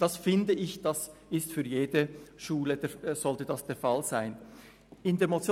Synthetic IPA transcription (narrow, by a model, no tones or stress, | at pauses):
d̥asfɪndəɪçd̥asɪstfyːɐjeːdəʃuːlədez̥ɔltədasd̥eːɐfalz̥aɪn | ɪndeːɐmot͡sjo